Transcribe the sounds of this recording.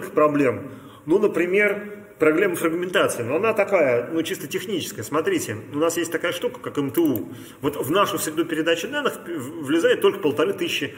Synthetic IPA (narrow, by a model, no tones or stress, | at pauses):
kʲəxpɾɐblʲe̞m | nunəpɾʲɪmʲe̞r | pɾɐblʲemːəfɾəɡmʲɪnt̪at̪sɨɪnuɐnat̪ɐkajənut͡ɕist̪ətʲɪxnʲit͡ɕɪskəjəsmɐt̪ɾʲitʲɪʊnasjesʲtʲt̪ɐkajəʂt̪ukə̥kakɛmt̪əu | vo̞t̪vnaʂʊsʲɾʲɪd̪upʲɪɾʲɪd̪at͡ɕɪd̪anːɨxvlʲɪzajɪt̪t̪ːo̞lʲkə̥pəlˠt̪ɐɾɨt̪ɨɕɪɕːɪ